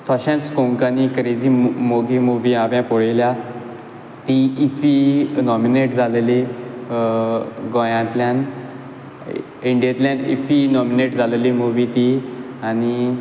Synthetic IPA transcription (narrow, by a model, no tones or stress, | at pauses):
t̪ʰɔɕãnt͡skõŋkanikəɾed͡zimoɡimuʋiaʋjãpɔɭelja | t̪iifinɔmineʈd͡zʱaleli | ɡɔ̃jãt̪ljãn | iɳɖijet̪ljãnḭfinɔmineʈd͡zʱalelimuʋit̪i | ani